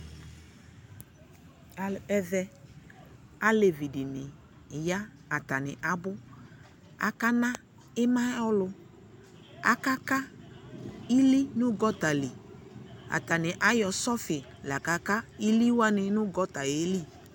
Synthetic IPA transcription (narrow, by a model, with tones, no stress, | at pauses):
a˨lɛ˦vɛ˦ | a˦le˨vi˨dɪ˨nɪ˨ | ja˦ | a˨ta˨nɪ̰˨ʔa˨bʊ˦ | a̰˨ka˦nã˦ | ɪ˦mã˦ɔ˦lʊ˦ | a̰˦ka˦ka˦ | i˦li˦nʊ̃˦ɡɔ˦ta˨li˨ | a̰˨ta˨nɪ˨ʔa˦jɔ˨sɔ˦fɪ˨ | la˨ka˨ka˦i˦li˦wa˦nɪ˨nʊ˦ɡɔ˦t̪a˨je˦li˦˨